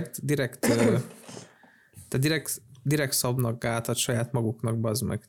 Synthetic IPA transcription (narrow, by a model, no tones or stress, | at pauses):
kt̪d̪iɾɛkt̪ː | t̪ːad̪d̪iɾɛkt̪d̪iɾɛk̚t̪sɒbnɒɡ̚ɡaːt̪ɒt̪ʃɒjaːt̪mɒɡuknɒɡ̚bzmɛ̰ɡ